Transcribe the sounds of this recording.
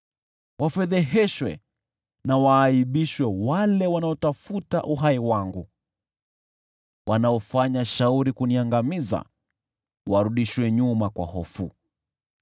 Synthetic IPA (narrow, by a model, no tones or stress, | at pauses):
wʔafɛðɛɦɛʃwɛ̰ | nawaːiɓiʃwɛwalɛwanaɔtafuta̰ʔuɦaiwaŋɡu | wʔanaɔfaɲaʃauɾikuniaŋɡamiza̰ | waɾuɗiʃwɛɲumakwa̰hɔfu